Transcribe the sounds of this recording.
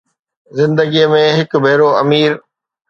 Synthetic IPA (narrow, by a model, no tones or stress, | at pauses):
zɪ̃nd̪əɡiəmẽɦɪkbʱeːɾoɐmiːɾ